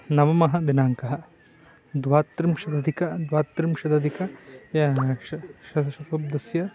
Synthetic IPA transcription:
nɐʋɐmɐɦɐ̆d̪inaːŋkɐɦɐ̆ | d̪ʋaːt̪ɾimʃɐd̪ɐd̪ʱikɐd̪ʋaːt̪ːɾimʃɐd̪ɐd̪ʱikɐjɐʃɐʃɐtɐʃɐpɐb̚d̪ɐsjɐ

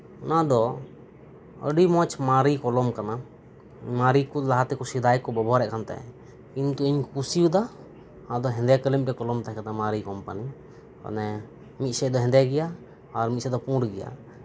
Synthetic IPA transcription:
ɔnad̪ɔ | ə̰ɖimɔt͡ʃmaɾikɔlɔmkana | maɾikulaɦat̪ɛkusid̪ajkɔbɔbɔɦaɾɛʔkʰant̪a̰j | kint̪uiɲkusiud̪a | hãd̪ɔɦɛ̃nd̪ɛkəlimpɛkɔlɔmt̪akat̪amaɾikɔmpani | ka̰nɛ | mit̪̚sɛd̪ɔɦɛnd̪ɛɡɛjaː | ɾmit̪̚sɛd̪ɔpũɖɡɛja̰

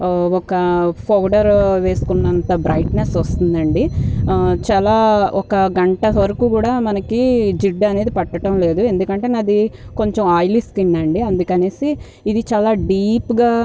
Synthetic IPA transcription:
ɔkɐpʰɐwɖɐɾʋe̞ːsu̥kunːɐnt̪ɐbɾɐjʈnesʋɐst̪und̪ɐɳɖi | t͡ʃaːlaːɔkɐɡɐɳʈɐʋɐɾɐkuːkuːɽaːmɐnɐkid͡ʒiɖːɐne̞ːd̪ipɐʈːɐʈɐmle̞ːd̪ue̞nd̪ukɐɳʈe̞ːnɐd̪iko̞ɲt͡ʃemaːjliskinːɐɳɖiɐnd̪ukɐne̞ːsiː | d̪it͡ʃaːlaːɖiːpɡaː

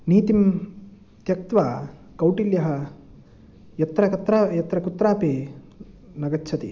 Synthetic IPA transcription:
niːt̪im | t̪jɐk̚t̪ʋaː | kɐwʈiljɐɦɐ | jɐt̪ɾɐkɐt̪ɾaːjɐt̪ɾɐkut̪ːɾaːpeː | nɐɡɐtːt͡ʃʰɐt̪i

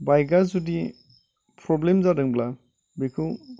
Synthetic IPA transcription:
bajɡazudi | pʰɾɔblemzadɯŋbla | bekʰu

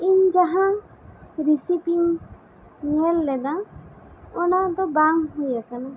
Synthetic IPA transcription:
iɲd͡ʒaɦã | ɾisipiŋː | ɛlːɛd̪a | ɔnad̪ɔbaŋɦujakana

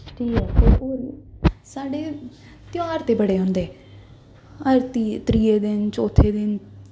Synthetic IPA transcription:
ʈʰiːkɛːt̪eːoːɾsaːɖeː | t̪ɪjaːɾt̪eːbəɽeːɦõːnd̪eː | əɾt̪it̪ɾiːeːd̪ɪnt͡ʃoːt̪ʰːeːd̪ɪn

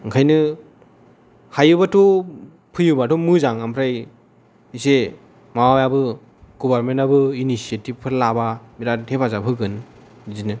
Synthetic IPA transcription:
ɯŋkʰajnɯ | hajɯbatɔ | pʰɯjubatɔmɯzaŋampʰɾaj | ise | mawajabɯ | ɡ̥ɔbaɾmentabɯinisietib̚pʰɯɾlababiɾatʰebazapʰɯɡɯn | zinɯ

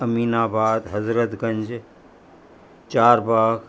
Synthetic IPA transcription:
ɐmiːnaːbaːd̪ɦɐzɾət̪ɡɐɲd͡ʒ | t͡ʃaːɾbaːɡ

